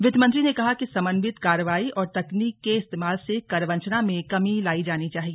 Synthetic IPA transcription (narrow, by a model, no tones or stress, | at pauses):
ʋɪd̪mə̃nt̪ɾinekɐɦakisɐmənʋɪt̪kaːɾəʋaːiʔɔːɾt̪ɐkniːkːeɪst̪eːmaːlsekɐɾʋɐ̃ɲt͡ʃnamẽkɐmilaːid͡ʒaːnit͡ʃaːɦieː